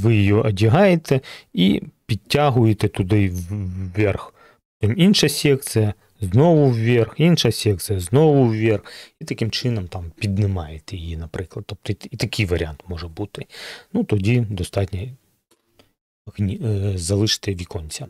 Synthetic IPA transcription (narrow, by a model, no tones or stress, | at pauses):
ʋɪjɪjɔʔɐdʲiɦɑjet̪ɛipʲitʲːaɦʊjet̪ɛt̪ʊd̪ɪwʋʲɛrx | t̪iminʃɐsʲɛkt̪sɨjɐ | znɔʋʊwʋʲerxinʃɐsʲɛk̚t̪sɨjɐznɔʋʊwʋʲerxit̪ɐkɪmt͡ʃɪnɔmt̪ɑmpʲid̪nɪmɑjet̪ɛjijinɐpɾɪklˠɐd̪t̪ɔp̚t̪ɔiit̪ɐkʲʰijʋɐɾʲɪant̪mɔʒɛbut̪ɪnut̪ɔdʲid̪ɔst̪ɑtʲnʲɐ | hnʲizɐlˠɪʃɪ̥t̪ɛʋʲikɔnʲt͡sʲɐ